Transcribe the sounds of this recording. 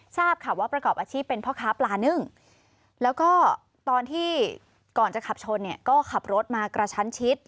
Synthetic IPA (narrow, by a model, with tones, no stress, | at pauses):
saː˥˩p̚kʰa˧˩waː˥˩pɾa˧kɔː˨˩p̚ʔaː˧t͡ɕʰiː˥˩pːe˧npʰɔː˥˩kʰaː˦˥plaː˧nɯ˥˩ŋ | lɛː˦˥wkɔː˥˩ | t̪ɔː˧nt̪ʰiː˥˩ | kɔː˨˩nt͡ɕa˨˩kʰa˨˩p̚t͡ɕʰo˧nːi˥˩kɔː˥˩kʰa˨˩p̚ɾo˦˥t̪̚maː˧kɾa˧t͡ɕʰa˦˥nt͡ɕʰi˦˥t̪̚